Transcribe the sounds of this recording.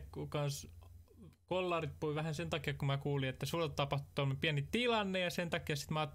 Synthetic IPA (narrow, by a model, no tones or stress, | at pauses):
ukɑns | kolːɑˑrit̪̚puiʋæhænsent̪ɑkiɑkkumækuːliet̪ːæsulːett̪ɑpɑht̪u̥t̪omːepiænitt̪ilɑnːejjɑsent̪ɑkiɑsi̥t̪mɑːt̪ː